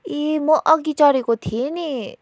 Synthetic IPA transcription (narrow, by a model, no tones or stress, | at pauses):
emʌʔʌɡit͡sʌɾekot̪ʰieni